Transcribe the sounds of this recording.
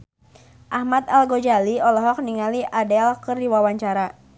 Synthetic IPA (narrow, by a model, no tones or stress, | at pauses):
ʔahmat̪̚alɡod͡ʒaliɔlɔɦɔk̚niŋaliʔadɛlkɨrdiwawaɲt͡ʃaɾa